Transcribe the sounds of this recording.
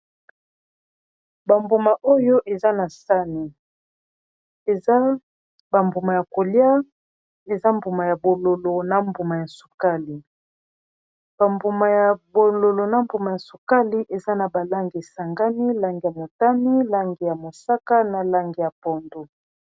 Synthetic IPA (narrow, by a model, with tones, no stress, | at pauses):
ba˨mbu˨ma˨ʔo˦jo˦ʔe˨za˦na˨sa˦ni˨ | a˦ | ba˨mbu˨ma˨ja˨ko˨lja˦ | e˨za˦mbu˨ma˨ja˨bo˨lo˨lo˨na˨mbu˨ma˨ja˨su̥˨ka˦li˨ | b̥a˨mbu˨ma˨ja˨bo˨lo˨lo˨na˨mbu˨ma˨ja˨su˨ka˦li˦ʔe˨za˦na˨ba˨la˦ŋɡi˨sa˨ŋɡa˦ni˦la˦ŋɡi˨ja˨mo˨ta˦ni˦la˦ŋɡi˨ja˨mo˨sa˦ka˦na˨la˦ŋɡi˨ja˨pɔ˨ndo˨